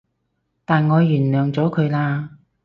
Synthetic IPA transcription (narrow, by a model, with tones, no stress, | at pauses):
t̪aː˨nŋɔː˨˧jyː˨˩nlœː˨ŋt͡sɔː˨˥kʰɵ˨˧ɥlaː˧